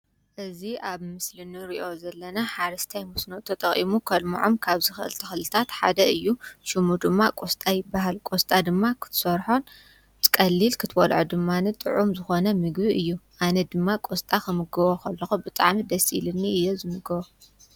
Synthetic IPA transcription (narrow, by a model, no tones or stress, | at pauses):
ʔɨziʔaβmɨslɨnɨɾiʔo̞zɐlːɐnaħaɾɐst̪ʰajmɔsnot̪ʰɐt̪ʼɐχʼʔḭmukʰɐlmuʕomkʰaβzɨxɨʔɨ̰lt̪ʰɐxlɨt̪ʰat̪ħa̰d̪ɐɨjːuʃumud̪ɨmːakʼost̪ʼajɪbːaɦalkʼo̞st̪ʼad̪ɨmːakʰɨ̥t̪ʰɨ̥sɐɾħon | kʼɐlːilkʰɨt̪ʰwolʕod̪ɨmːanɨt̪ʼɨ̰ʕumzɨxo̞nɐmɨɡβiʔɨjːuʔanɐd̪ɨmːakʼo̞st̪ʼakɨmɨɡɐβokʰɐlːɐxubɨt̪ʼaʕmid̪ɐsilɨnːiʔɨjːozɨmɨɡɐβo